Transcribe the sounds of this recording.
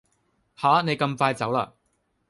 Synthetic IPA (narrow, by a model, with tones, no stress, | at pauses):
haː˨˥ne˨˧jkɐ˧mfaː˧jt͡sɐ˨˥wla̰ː˧